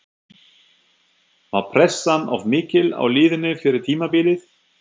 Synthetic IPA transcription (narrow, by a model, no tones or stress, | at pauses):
mawpʰɾɛsːana̰vmɪːcɪla̰wlɪːðɪnːʏfɪɾɪɾ̥t̪ʰiːmapɪːlɪθ